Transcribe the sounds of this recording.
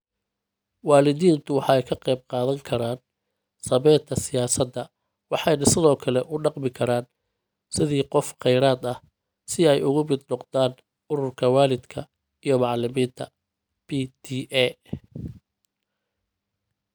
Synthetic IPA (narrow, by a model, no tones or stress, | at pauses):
wɑːlɪðiːnt̪ʰʊwɑħɑɛjkʰɐqɛjb̚qɑːðɐŋkʰɐɾaːn | sɐβɛːt̪ʰːɐsɪjaːsɐd̪ːɐ | wɑħɑjnɐsɪðɔːkʰɐlɛʔʊɖɑqmɪkʰɐɾaːn | sɪðiːqɔfqɛjɾaːd̪ɐh | sɪɛjʊɣʊmɪd̪nɔqd̪aːn | ʊɾʊrkʰɐwɑːlɪd̪kʰɐ | ijɞmɑʕlɪmiːnt̪ʰɐ | b̥it̪ʰiːʔɛ